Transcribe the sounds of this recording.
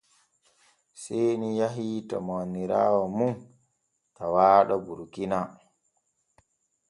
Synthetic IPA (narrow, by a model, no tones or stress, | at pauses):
sɛjnijaɦita̰mawanːiɾa̰ːwamun | tawaːɗabuɾkina